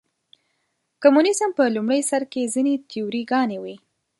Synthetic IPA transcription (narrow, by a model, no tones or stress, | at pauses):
kʊmunɪsəmpəlumɽəjsaɾkezinet̪ʰijuɾiɡɑnewi